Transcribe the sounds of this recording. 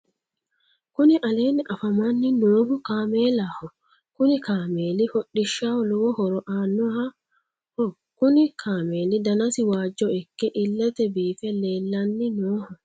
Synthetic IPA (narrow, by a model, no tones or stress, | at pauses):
kʊnɪʔɐle̞ːnɪʔɐfɐmɐnːɪnoːhʊkaːmeːlahɔ | kʊnɪkaːmeːlɪfɔɗːɪʃːalɔwɔhɔɾɔʔaːnːɔhɐ | hɔ | kʊnɪkʰaːmeːlɪd̪ɐnɐsɪwaːd͡ʒːɔɪkːɛʔɪlːɛt̪ɛbiːfɛle̞ːlːɐnːɪnoːhɔ